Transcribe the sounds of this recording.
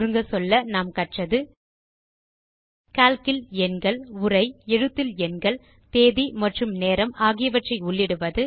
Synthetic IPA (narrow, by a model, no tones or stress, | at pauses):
ɾɯŋɡɐsɔlːɐnaːmkɐʈrɐðɯ | kaːlkɪlɛnɡɐɭʊrɐɪɛɻɯt̪ːɪlɛnɡɐɭ | t̪eːðimɐʈrɯmneːɾɐmaːɣɪjɐʋɐʈrɐɪʊɭːɪɽɯʋɐðɯ